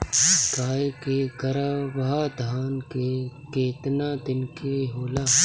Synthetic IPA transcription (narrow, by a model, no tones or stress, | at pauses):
ɡaːkeɡɐɾaːʋɐɦaːd̪ʱaːnkekeːt̪naːd̪ɪnkeɦoːlaː